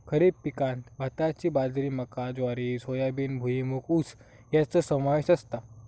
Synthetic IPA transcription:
kʰəɾibpikãnt̪bʱat̪at͡ɕiːbad͡zɾiːməkad͡zʋaɾisojabiːnbʱuimukʰut͡s | jat͡səsəmaʋeɕəst̪a

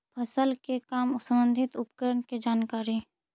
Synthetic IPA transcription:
pʰɐsəlkekaːmʊsəmbə̃nd̪ʱɪt̪ʊpkəɾəɳked͡ʒaːnkaːɾi

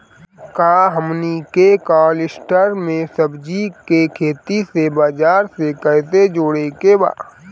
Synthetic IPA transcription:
kaːɦəmnikekaːlɪsʈəɾmẽsəbd͡ʒikekʰeːt̪isebaːd͡ʒaːɾsekɛːsed͡ʒoːɽekeba̰ː

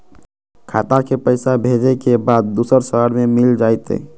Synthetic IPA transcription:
kʰaːt̪akepəɪsabʱed͡ʒekebaːd̪̚ːuːsəɾsəɦəɾmẽmɪld͡ʒaːjt̪ɦḛː

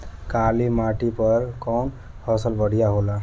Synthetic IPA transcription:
kalimaʈipəɾkɔn | hɔsəlʋəɽ̤ijaɦola

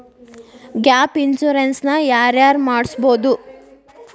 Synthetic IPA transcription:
ɡjaːpinsuɾensnɐjaːɾjaːɾmaːɽsbo̞ːd̪u

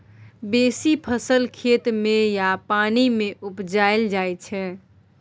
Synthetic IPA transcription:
besipʰəsəlkʰet̪mejapanimeʔupd͡ʒaeld͡ʒajt͡ʃʰɛ̃

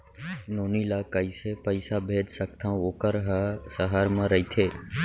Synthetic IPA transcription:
noːniːlaːkəiːsepəɪsaːbʱeːd͡ʒsəkt̪ʰãːoːkəɾɦasəɦaːɾmãːɾəiːt̪ʰeː

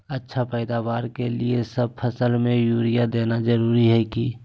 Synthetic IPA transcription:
ətːʃʰapɛɪd̪aːʋaːɾkeliesəb̚pʰəsəlmẽjuːɾijad̪eːnad͡ʒəɾuːɾiɦɛki

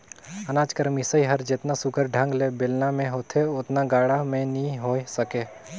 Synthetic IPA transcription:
ənaːd͡ʒkəɾmisəiɦəɾd͡ʒɪt̪nasʊkʰəɾɖʱə̃ŋɡlebɪlnamẽɦoːt̪ʰeʊt̪naɡaːɽamẽnĩɦoːesəkeː

